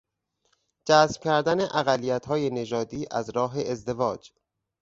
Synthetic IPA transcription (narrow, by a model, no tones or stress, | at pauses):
d͡ʒæsm̥cʲʰæɾd̪æne̞ʔæɣælːijæt̪hɒːje̞ne̞ʒɒːd̪iːʔæzɾɒːɦe̞ezd̪e̞vɒːd͡ʒ